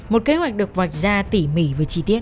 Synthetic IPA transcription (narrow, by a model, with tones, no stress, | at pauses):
mo˨˩t̚ke˨˦ɦwa˨˩jk̚ɗɨ˨˩ək̚va˨˩jk̟̚zaː˧t̪i˧˩mḭ˧˩vəː˨˩˦jt͡ɕi˧t̪i˦˥ət̚